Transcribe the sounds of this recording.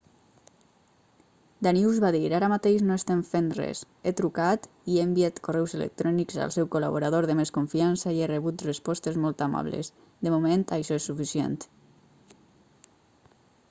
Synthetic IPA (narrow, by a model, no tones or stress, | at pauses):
d̪aniuzβaðiɾaɾamat̪eʒnoest̪emfenrɛ̰s | et̪ɾukat̪ | iembiat̪korɛwzelḛk̚t̪ɾɔnikza̰lˠsɛwkola̰βoɾaðoɾðəmeskoɱfiansaierəβut̪rəspɔst̪ezmɔlˠt̪ama̰βlḛs | d̪əmument̪aʃɔesːufisiḛnt̪